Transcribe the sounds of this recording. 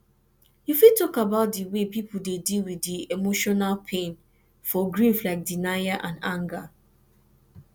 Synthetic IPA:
jufitɔkabaʊt̚diwepipudedilwiðiemoʃɔnalpʰẽn | fɔɡɹiflaɪk̚dinajaʔãnãŋɡa

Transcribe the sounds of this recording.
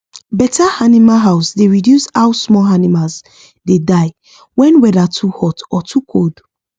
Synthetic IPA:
bɛtʰaanimaɦaʊsdeɹidjushaʊsmɔanimals | dedaɪ | wɛ̃nwɛðatʰuhɔtɔtʰukʰod

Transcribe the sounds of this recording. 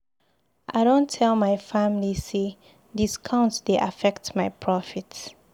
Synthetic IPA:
ʔa̰ɪɾõntʰːɛlmaɪfamlise | diskʰãʊ̃ntdeʔa̰fɛktmaɪpʰɹɔfits

